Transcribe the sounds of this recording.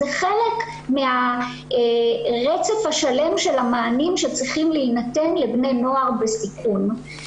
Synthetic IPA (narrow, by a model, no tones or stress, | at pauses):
zeχele̞k | mea | ʁet͡sefhaʃale̞mʃe̞lamaːnimʃet͡sʁiχimleinate̞nlebne̞jno̞aʁbesikʰun